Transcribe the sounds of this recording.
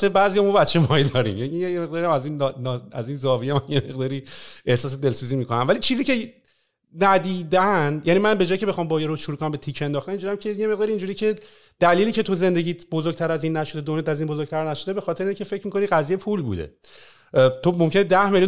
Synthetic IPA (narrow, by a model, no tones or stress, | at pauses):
sebæzijɒmɔbæt̪t͡ʃʰːemɒid̪ɒːɾḭmjænijjemeɣd̪ɒːɾijæmæzinnæ̰ziːnzɒːvijemænjemeɣd̪ɒːɾie̞hsɒːs̬e̞d̪e̞lsuːziːmiːkonæmvælit͡ʃʰiːziːcʰe | næd̪iːd̪ænjænimænbe̞d͡ʒɒːjicʰebe̞xɒːmbɒːjeɾoʃoɾukonæmbe̞t̪ʰiːcʰe̞nd̪ɒːxt̪æniːnd͡ʒuɾiæmcʰe̞jemeɣd̪ɒːɾiːnd͡ʒuːɾiːcʰe̞ | d̪̥æliːliːcʰe̞t̪ʰoze̞nd̪e̞ɟiːbozoɾɡ̚t̪ʰæɾæziːnːæʃo̞d̪ed̪onjɛt̪ʰæziːnbo̞zoɡ̥̚t̪ʰæɾnæʃod̪e̞be̞xɒːt̪ʰeɾincʰe̞fecʰmiːko̞niɢæzijepʰulbṵd̪ḛ | t̪ʰomo̞mcʰe̞ned̪æhme̞lju